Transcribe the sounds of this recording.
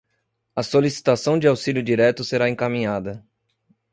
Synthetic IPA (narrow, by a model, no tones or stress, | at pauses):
ɐsolisi̥t̪asɐ̃w̃d͡ʒɪawsiljʊd͡ʒiɾɛt̪ʊseɾaẽŋkamĩɲad̪ɐ